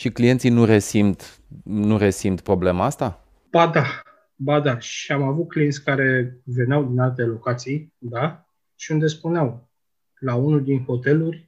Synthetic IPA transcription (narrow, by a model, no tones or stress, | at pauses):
ʃiklije̞nt̪sinuɾesimt̪ | nuɾe̞simt̪pɾo̞ble̞maast̪a | b̥ad̪a | bad̪aʃiamavut̪̚klint̪sʲkaɾe̞ve̞neawd̪inalt̪e̞lo̞kat̪sijd̪a | ʃiund̪e̞spuneaw | launuld̪inxo̞t̪e̞lurʲ